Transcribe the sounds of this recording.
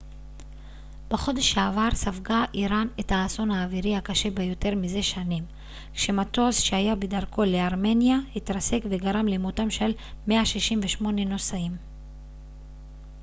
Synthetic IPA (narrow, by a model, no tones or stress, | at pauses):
b̥eχo̞deʃaavaʁsavɡaʔiʁanethaːso̞naːviʁihakaʃe̞bejo̞te̞ʁmize̞ʃanim | kʃe̞mato̞sʃeajabedaʁko̞leaʁme̞njahitʁase̞kveɡaʁamlemutamʃel | me̞aʃiʃimveʃmo̞neno̞saim